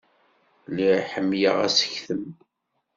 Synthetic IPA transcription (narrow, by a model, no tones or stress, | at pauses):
liħəmːjə̰ʁæ̰sə̥çθəm